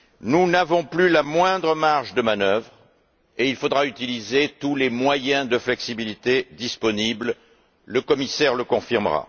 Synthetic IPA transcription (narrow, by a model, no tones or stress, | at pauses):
nunavɔ̃plylamwɛ̃d̪ʁəmaʁʒd̪əmanœvʁ | eilfod̪ʁayt̪ilizet̪ulemwajɛ̃d̪əflɛksibilit̪ed̪ispɔnibl | ləkɔmisɛʁləkɔ̃fiʁməʁa̰